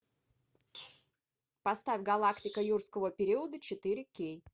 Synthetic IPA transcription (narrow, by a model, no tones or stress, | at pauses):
pɐst̪afʲɡɐlˠaktʲɪkəjurskəvəpʲɪɾʲiəd̪ət͡ɕɪt̪ɨɾʲɪkʲej